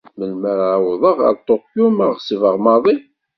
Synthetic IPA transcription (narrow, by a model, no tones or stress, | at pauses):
məlməɾawðˤəʁɑ̰ɾt̪ˤːokjuməsivəʁmɑðˤi